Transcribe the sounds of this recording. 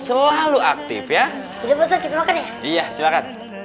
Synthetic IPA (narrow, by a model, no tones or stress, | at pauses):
səlahluak̚t̪ɪ̰fja | d̪idabəs̬ərkit̪amakanja | ijasilakan̚